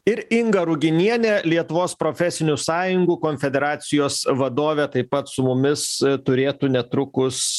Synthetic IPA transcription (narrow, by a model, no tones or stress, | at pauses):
ɪɾɪŋɡɐɾʊɡʲɪnʲiɛnʲeːlʲiɛt̪ʊʋoːspɾoːfʲɛsʲɪnʲʊsɑːjʊŋɡuːkoːnʲfʲɛd̪ʲɛɾɑːt̪sʲɪjoːsʋɐd̪oːʋʲɛt̪ɐɪppɐt̪sʊmʊmʲɪst̪ʊɾʲeːt̪uːnʲɛt̪ɾʊkʊs